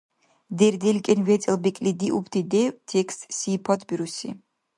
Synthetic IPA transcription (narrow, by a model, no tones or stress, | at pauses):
d̪ɛɾd̪ɛlkʼɛnvɛt̪t͡s̪ʼɛlˠbikʼlid̪iʔupʰt̪ʰid̪ɛt̪ʰɛkst̪sipʰɔt̪ʰbiɾusḭ